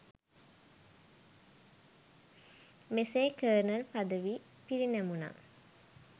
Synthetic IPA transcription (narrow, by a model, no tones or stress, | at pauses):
meseːkəːɾnəlpad̪əʋiː | piɾinæmuna̰ː